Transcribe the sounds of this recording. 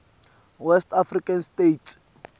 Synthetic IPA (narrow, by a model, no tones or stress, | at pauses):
wɛstʰafrikʼanstetʰ